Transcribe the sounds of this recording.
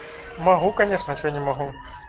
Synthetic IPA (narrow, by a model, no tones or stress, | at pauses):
mɐɣukɐnʲeʂnət͡ɕnʲɪmɐɦu